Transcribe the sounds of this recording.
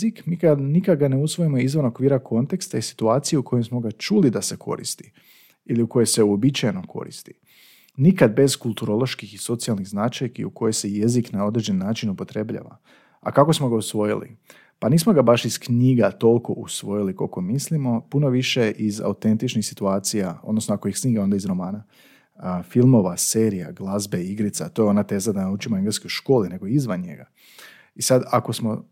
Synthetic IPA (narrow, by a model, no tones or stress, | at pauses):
zikmiːkanikaɡane̞usʋo̞jimo̞izʋono̞kʋiːɾakʰo̞nt̪e̞kst̪aisi̥t̪uaːt̪sijeuko̞jemsmo̞ɡat͡ʃulid̪ase̞kʰo̞̰ɾḭst̪i̥ | iliuko̞jo̞jse̞uo̞bit͡ʃajenomkʰo̞̰ɾḭst̪i̥ | nikad̪̚be̞zkulˠt̪uɾo̞lˠo̞ʃkixiso̞t̪sialˠniɣznat͡ʃajkḭuko̞jejse̞je̞ziknao̞d̪ɾed͡ʑd͡ʒe̞nːaːt͡ʃinupo̞t̪ɾe̞bʎa̰ːʋa̰ | a̰kako̞smo̞ɡausʋo̞jḭlḭ | paniːsmo̞ɡabaʃiskɲiɡat̪o̞lˠko̞ʔusʋo̞jiliko̰komislimo̞puno̞ʋiʃe̞ʔiza̰ut̪e̞nt̪it͡ʃnixsi̥t̪uaːt̪sijao̞d̪no̞snoakojixsɲiːɡao̞nd̪aizɾo̞maːna | filˠmo̞ʋase̞ːɾija̰ɡlˠazbe̞iɡɾit̪sat̪ojo̞nat̪e̞ːzad̪anaut͡ʃimo̞eŋɡleskojʃko̞ːline̞ɡo̞izʋanɲe̞̰ɡa | isad̪ako̞smo̞